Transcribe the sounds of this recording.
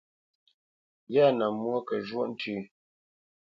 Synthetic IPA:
ja˦˨na˨mwo˦kə˨ʒwo˦ʔn̩˦tʰʉ˦˨

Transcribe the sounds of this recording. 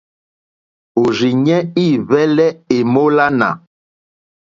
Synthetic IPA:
o˨ʒi˨ɲɛ˦i˦˨vɛ˦lɛ˦e˨mo˦la˦na̰˨

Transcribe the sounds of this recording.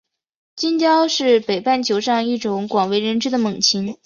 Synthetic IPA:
t͡ɕi˥nt͡ɕjɑ˥ʊʂɻ̩˥˩pe˨˩ɪpa˥˩nt͡ɕʰjo˧˥ʊʂɑ˥˧ŋi˥˩ʈ͡ʂʊ˧˥˦ŋkwɑ˨˩ŋwe˧˥ɪɻə˧˥nʈ͡ʂɻ̩˥d̪ə˨mɤ˨˩ŋt͡ɕʰi˧˥n

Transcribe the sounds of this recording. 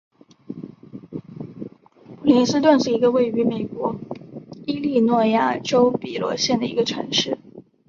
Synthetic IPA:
u˨˩li˧˥nsɹ̩˥t̪̬wə˥˧nʂɻ̩˥˩i˧˥ɡə˧we˥˩ɪy˧˥me˨˩ɪkwɔ˧˥ | i˥li˥˧nwɔ˥˧ja˥˩ʈ͡ʂo˥ʊpi˨˩lwɔ̰˧˥ɕjɛ˥˩nd̪ə˩ḭ˧˥ɡə˧ʈ͡ʂʰɤ̰˧˥ŋʂɻ̩˥˩

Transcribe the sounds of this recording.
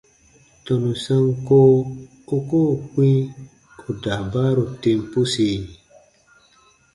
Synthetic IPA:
tɔ̃˨nũ˨sã˦ŋko˦ | o˦ko˦˨kwĩ˦ | o˨da˨baː˦ɾo˨tẽ˧m˦pu˦se˨

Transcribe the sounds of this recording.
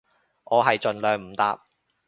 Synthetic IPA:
ʔɔː˨˧ɦɐ˨jt͡ʃɵ˨nlœː˨ŋm̩˨˩t̪a̰ː˨˧p̚

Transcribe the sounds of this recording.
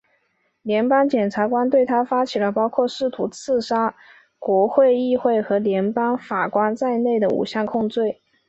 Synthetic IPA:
ljɛ˧˥npɑ˥ŋt͡ɕjɛ˨˩nʈ͡ʂʰa˧˥kwa˥nt̪we˥˩ɪt̪ʰa˥fa˥t͡ɕʰi˨˩lə˦pɑ˥ʊkʰwɔ˥˧ʂɻ̩˥˩t̪ʰu˧˥t͡sʰɹ̩˥˩ʂa˥ | kwɔ˧˥xwe˥˧ɪi˥˧xwe˥˩ɪxɤ˧˥ljɛ˧˥npɑ˥ŋfa˨˩kwa˥nt͡sa˥˧ɪne˥˩ɪd̪ə˩ṵ˨˩ɕjɑ˥˧ŋkʰʊ˥˧ŋt͡swe˥˩ɪ

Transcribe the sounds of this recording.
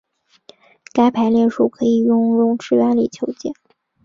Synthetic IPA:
ka˥ɪpʰa˧˥ɪljɛ˥˧nʂu˥˩kʰɤ˧˥i˨˩jʊ˥˧ŋɻʊ˥˧ŋʈ͡ʂɻ̩˥˩ɥa˥nli˨˩t͡ɕʰjo˧˥ʊt͡ɕjɛ̰˥˩n

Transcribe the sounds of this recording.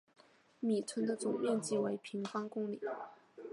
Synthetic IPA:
mi˨˩t͡sʰwə˧˥nd̪ə˧t͡sʊ˨˩ŋmɛ˥˧ŋt͡ɕi˥˩we˧˥ɪpʰi˧˥ŋfɑ˥ŋkʊ˥ŋli˨˦

